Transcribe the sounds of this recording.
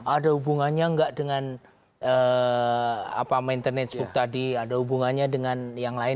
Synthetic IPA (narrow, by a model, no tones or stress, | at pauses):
ʔadahubuŋanɲaəŋɡaʔdəŋan | ə | a̰pamaint̪ərnɛt̪̚sbukt̪adiadaɦubuŋanɲadəŋanjaŋlaɪ